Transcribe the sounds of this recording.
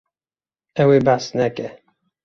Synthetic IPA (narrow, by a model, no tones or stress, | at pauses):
ɛwebasnɛkɛ